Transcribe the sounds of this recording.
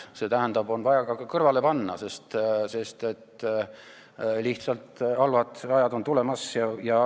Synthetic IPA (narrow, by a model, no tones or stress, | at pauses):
se̞ːt̪æɦænd̪̥ɑbo̞nvɑjɑɡɑkɑkɤrvɑle̞pɑnːɑ̰se̞st̪se̞st̪e̞t̪ː | liht̪sɑlt̪ɑlvɑd̪ɑjɑd̪o̞nt̪ule̞mɑsjɑjɑ